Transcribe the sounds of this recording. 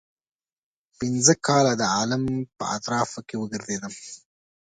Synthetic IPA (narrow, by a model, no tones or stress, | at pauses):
pɪnzəkɑlad̪əɑlampə̰a̰t̪ɾɑfkewəɡəɾzed̪əm